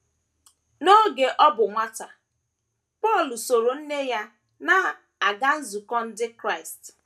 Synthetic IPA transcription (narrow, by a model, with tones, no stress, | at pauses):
no˦ɡe˨ʔɔ˦bʊ˨ŋʷa˦ta˨ | pɔ˦˨lu˨so˨ɾo˨n̩˦ne˦ja˦ | na˦ | a˨ɡa˦n̩˦zu˨kɔ˦n̩˦dɪ˦kɾa˦˨ɪ˨st